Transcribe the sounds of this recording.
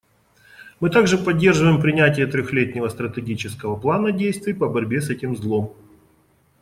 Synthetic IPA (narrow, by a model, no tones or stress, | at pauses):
mɨt̪aɡʐɨpɐdʲːe̞rʐɨvəjɪmpɾʲɪnʲætʲɪjət̪ɾʲoxlʲetʲnʲɪvəst̪ɾət̪ʲɪɡʲit͡ɕɪskəvəplˠanədʲejst̪vʲɪjpəbɐɾʲbʲe̞sɛtʲɪmzlˠom